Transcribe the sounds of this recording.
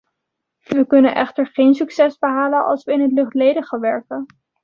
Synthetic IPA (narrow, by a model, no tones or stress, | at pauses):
ʋəkɵnənʔɛ̰χtəɹχejnsyksɛsbəɦaːlənʔɑ̰lˠsʋəɪnɦətlɵχtlejdəχəʋɛɹkən